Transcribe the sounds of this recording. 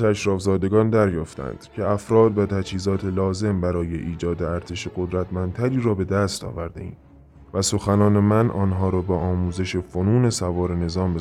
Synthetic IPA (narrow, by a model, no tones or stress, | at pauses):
æʃɾɒːfzɒːd̪e̞ɡɒːnd̪æɾjɒːft̪æ̰nd̪̥cʰe̞æfɾɒːd̪væt̪ʰæd͡ʒhiːzɒːt̪ʰelɒːze̞mbæɾɒːje̞ʔiːd͡ʒɒːd̪eæɾt̪ʰe̞ʃeɡo̞d̪ɾæt̪ʰmænt̪ʰæɾiːɾɒːbe̞d̪æst̪ɒ̰ːvæɾd̪e̞̰ḭːm | væso̞xænɒːne̞mænʔɒːnɦɒːɾɒːbeʔɒːmuːze̞ʃefo̞nuːne̞sævɒːɾe̞ne̞zɒːmbe